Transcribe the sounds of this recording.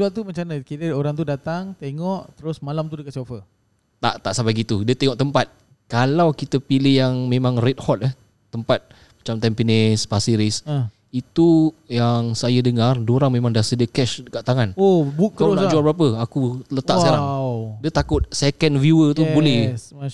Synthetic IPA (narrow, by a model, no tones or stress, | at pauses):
d͡ʒualt̪umət͡ʃanəkitəoɾaŋt̪udat̪aŋt̪eŋɔʔt̪əɾʊsmalamt̪udəkat̪̚sofə | t̪a̰ʔt̪aʔsabaɡit̪udiət̪eŋɔʔt̪əmpat̪̚ | kalawkit̪əpilɪhjaŋmẽmãŋret̪̚hɔt̪̚ɛh | t̪əmpat̪̚ | mat͡ʃamt̪ɛmpinɛspasiɾis | it̪ujaŋsajədəŋardoɾaŋmẽmaŋdasədiəkɛʃkaʔt̪aŋanobuk̚t̪əɾʊad͡ʒuabəɾap̬əakuləaʔsaɾaŋdiət̪akʊt̪̚sɛkənvjuət̪ubolɛ